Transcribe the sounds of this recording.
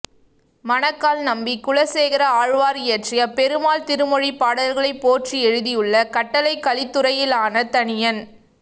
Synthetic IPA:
mɐnɐkːaːlnɐmbikʊɭɐseːɣɪɾɐaːɻʋaːɾjeʈrɪjɐpɛɾɯmaːlt̪ɪɾɯmɔɻipaːɽɐðɐɾɣɐɭɐɪpːoːʈriɛɻɯðijɯɭːɐkɐʈːɐlɐɪkːɐlɪt̪ːɯɾɐjɪlaːnɐt̪ɐnɪjɐn

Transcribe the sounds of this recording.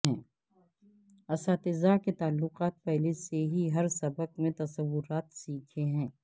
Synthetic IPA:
ɛ̃ː | ɐsaːt̪ɪzaːket̪aːlːʊqaːt̪̚pɛɦleseɦiɦɐɾsɐbəq̚mẽt̪ɐsɐʋːʊɾaːt̪siːkʰeɦɛ̃ː

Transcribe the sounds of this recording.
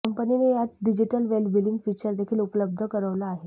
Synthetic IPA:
əmpəninejat̪̚ɖid͡ʑiʈəlʋelbiliŋɡfit͡ɕəɾd̪ekʰiːlupələb̚d̪ʱəkəɾəʋlaːɦe

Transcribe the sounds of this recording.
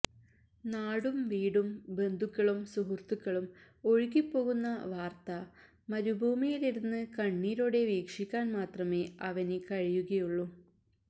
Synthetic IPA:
naːɽumʋiːɽumbe̞nd̪ʱukːɐɭumsuɦurt̪ukːɐɭum | o̞ɻikʲːipːo̞ːɣunːɐʋaːrt̪ɐ | mɐɾubʱuːmijiliɾunːɨkɐɳːiːɾoːɽe̞ʋiːkʂikʲːaːnmaːt̪rɐme̞ːɐʋɐnekɐɻijuɣɐjuɭːu

